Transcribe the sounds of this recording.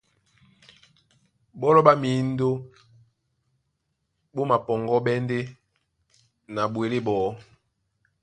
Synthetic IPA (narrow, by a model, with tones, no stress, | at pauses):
bɔ˦lɔ˦ba˦mi˨˦n˦do˦ | bo˦ma˨pɔ˨ŋɡɔ˦ɓɛ˦nde˦ | na˨bwe˨le˦bɔː˨˦